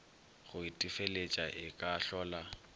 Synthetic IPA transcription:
χʊitʼɪfelet͡ʃʼaʔɪkʼaːɬɔːla

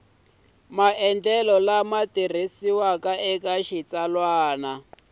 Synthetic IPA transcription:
maʔɛnd͡ɮɛlɔlamatir̤isiwakaʔɛkaʃit͡salwaːna

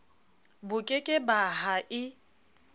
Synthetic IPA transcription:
bʊkʼekʼɪbaɦaʔɪ

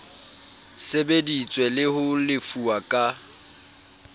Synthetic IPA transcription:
sebedit͡sʼwɛlɪhʊlɪfuakʼa

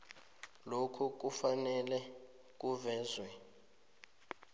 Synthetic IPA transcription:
lokʰuk̬ufanɛlɛ | k̬uvɛːzwɛ

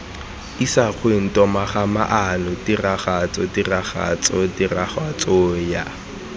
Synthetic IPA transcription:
isaχwen̩tɔmaχamaʔanʊdiraχat͡sɔdiraχa̰t͡sʼɔdiraχat͡sʼɔja

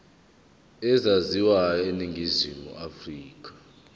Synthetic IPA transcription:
ɛzaziwaeniŋɡʱizimṵafriːk̬ʼḁ

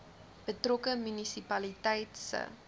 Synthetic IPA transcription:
b̥ətrokəmynisipɐlitɛjtsə̰

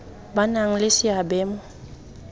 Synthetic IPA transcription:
banaŋ̩lɪsɪabɛːmʊ

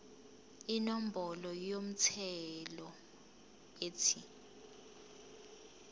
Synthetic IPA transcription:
inom̩bɔlɔjom̩tʰɛlɔ | eːtʰi

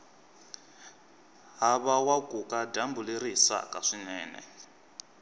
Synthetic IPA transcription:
ɦaβawakʼukʼadambuleɾisa̰kʼaʂinɛːnɛ̰

